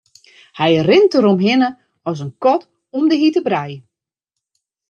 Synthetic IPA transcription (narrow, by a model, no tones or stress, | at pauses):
hɛjrɪntəɾomɦɪnə | ɔs̬ənkɔt | ɔmdəɦitəbɾɛj